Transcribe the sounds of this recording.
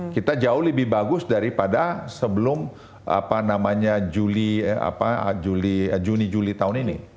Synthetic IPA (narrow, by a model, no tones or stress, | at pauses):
kit̪ad͡ʒaʊhləbɪhbaɡʊsdaɾipadasəbəlʊm | a̰panamaɲad͡ʒulia̰pad͡ʒulid͡ʒunid͡ʒulit̪aʊninḭ